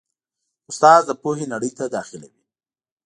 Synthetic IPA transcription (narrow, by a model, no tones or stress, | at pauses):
ʊst̪ɑzd̪əpoɦenaɽəjt̪ad̪ɑxɪla̰wi